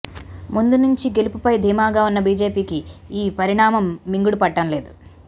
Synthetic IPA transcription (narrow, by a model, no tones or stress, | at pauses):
mund̪unuɲt͡ʃiɡe̞lupupɐjd̪ʱiːmaːɡaːunːɐbiːd͡ʒe̞ːpiːkiiːpɐɾiɳaːmɐmːiŋɡuɽupɐʈːɐmle̞ːd̪u